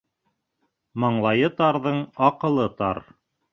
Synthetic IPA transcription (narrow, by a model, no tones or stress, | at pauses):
mɑɴlˠɑjɤt̪ɑɾðɤɴɑqɤ̆lˠɤt̪ɑɾ